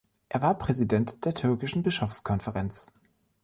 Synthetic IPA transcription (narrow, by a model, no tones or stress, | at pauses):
ʔeːɐvaːɐpʁ̥ɛzidɛntd̥eːɐtʰʏɐkɪʃn̩bɪʃofskʰɔnfɛʁɛnt͡s